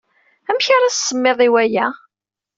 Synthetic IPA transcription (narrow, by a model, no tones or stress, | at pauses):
æmçaɾassːəmːeðˤiwæjæ